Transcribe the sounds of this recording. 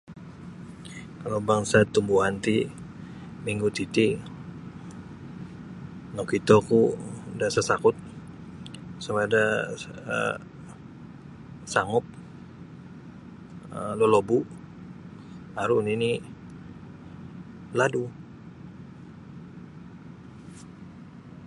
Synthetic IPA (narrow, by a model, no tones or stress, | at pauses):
kalobaŋsat̪ːumbuɦant̪i | miŋɡut̪it̪i | nokit̪okudasəsakʊt̪̚ | sawadaə̰ | saŋʊp̚ | əlɔlobu | aɾunini | ladu